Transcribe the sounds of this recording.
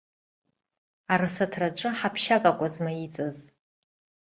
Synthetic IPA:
aɾasatʰraʈ͡ʂʼɨħapʰʃakʼakʷʼazmait͡sʼaz

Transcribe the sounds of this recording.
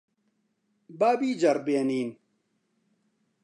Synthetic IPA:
baːbiːd͡ʒɐɾbeːniːn

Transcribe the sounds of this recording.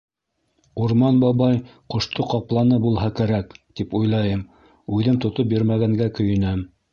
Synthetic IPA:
uɾmɑnbɑβɑjqŏʃt̪oqɑplˠɑnɤbulˠɦɑkæɾækt̪ipujlˠɑjɤm | ʉðɘmt̪ŏt̪op̚biɾmæɡæŋɡækɵ̆jɘ̆næm

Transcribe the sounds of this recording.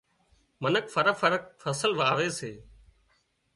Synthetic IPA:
mənəkfəɾəfəɾək̚fəsəlʋaːʋeːseː

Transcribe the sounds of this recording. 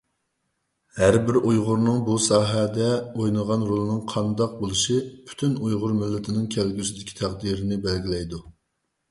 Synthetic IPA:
hæɾbɪɾʔujʁʊɾnɨŋbusɑːɦɛd̪ɛojnɨʁɑnɾolˠɨnɨŋqʰɑnd̪ɑq̚bolˠuʃipʰy̥t̪ʰynujʁʊɾmɪlːɪt̪ʰɪnɪŋkʲʰɛlɡʲysɪd̪ɪkʲʰi̥t̪ʰæʁd̪iɾɪnɪbɛlɡʲilɛjd̪u

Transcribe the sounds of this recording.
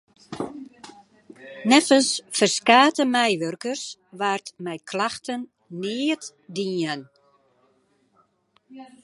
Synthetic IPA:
nɛfəlsfərskaːtəmɛjʋørkərsʋartmɛjkʰlaxtənː | ɪət | diən

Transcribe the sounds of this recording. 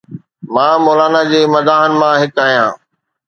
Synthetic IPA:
mãːmoːlaːnad͡ʑeːmɐd̪aːɦənɪ̆mãɦɪkaːɦijãː

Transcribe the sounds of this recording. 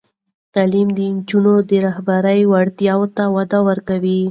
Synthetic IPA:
t̪alimd̪ənd͡ʒunod̪əɾahbaɾəjwaɽt̪jɑwt̪awad̪awəɾkawi

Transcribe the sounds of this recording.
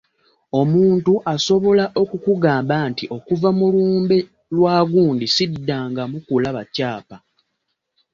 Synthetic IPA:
o̞muːntuʔaso̞βo̞laʔo̞kukuɡaːmbaːntiʔo̞kuvamuluːmbe | lwaːɡuːndisidːaːŋɡamukulaβacaːpa

